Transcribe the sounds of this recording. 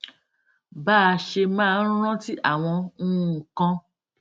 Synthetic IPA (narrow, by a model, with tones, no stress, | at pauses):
baː˦˨˧ʃe˧mãː˦˧n̩˦ɾ̃ɔ̃˦ti˦ʔa˦˨w̃ɔ̃˧˦˧kã˧